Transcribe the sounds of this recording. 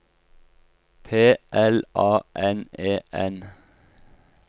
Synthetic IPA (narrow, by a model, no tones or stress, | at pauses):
pʰeːʔɛlʔɑːʔɛneːʔɛn